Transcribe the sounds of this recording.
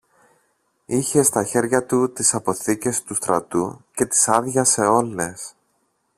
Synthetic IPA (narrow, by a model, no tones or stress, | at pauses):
içe̞st̪ɐçe̞ɾʝɐt̪ut̪isɐpo̞θice̞st̪ust̪ɾɐt̪uce̞t̪i̥sɐðʝɐse̞o̞le̞s